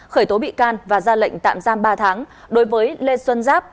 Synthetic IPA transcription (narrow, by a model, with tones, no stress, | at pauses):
xəː˧˩jt̪o˨˦ɓḭ˧˨kaː˧nvaː˨˩zaː˧lə̰˧˨jŋ̟t̪a̰ː˧˨mzaː˧mɓaː˧t̪ʰaː˨˦ŋɗo˨˦jvəː˨˦jle˧swə˧nzaː˦˥p̚